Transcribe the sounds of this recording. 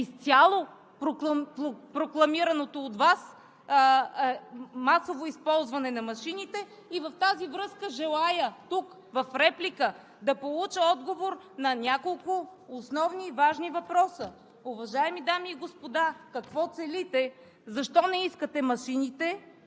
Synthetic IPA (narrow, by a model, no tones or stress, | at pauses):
ist̪sʲalˠo | pɾokˠppɾoklˠɐmiɾɐnot̪oːt̪vas | masovoispɔlˠzvɐnɛnɐmɐʃinit̪ɛ | ivɐft̪azivɾɤskəʒɛlˠajət̪uk | vɐfɾɛplikə | d̪ɐpolˠut͡ʃəɔd̪ɡovoɾ | nɐnʲakolˠkʊosnɔvnivaʒnivɐpɾɔsə | ʊvɐʒaɛmid̪amiːɡospod̪akɐkvɔt̪sɛlit̪ɛ | zɐʃt̪ɔnɛiskət̪ɛmɐʃinit̪ɛ